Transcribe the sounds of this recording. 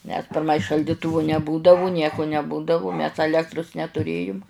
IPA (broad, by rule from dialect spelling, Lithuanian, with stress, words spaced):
nʲɛs pʲɪrˈmɐɪ ʃɐlʲˈdʲɪtʊʋʊ nʲɛˈbuːdɐʋʊ ˈnʲiɛkʊ nʲɛˈbuːdɐʋʊ ˈmʲɛs ɐˈlʲæːktrʊs nʲɛtʊˈrʲeːjʊm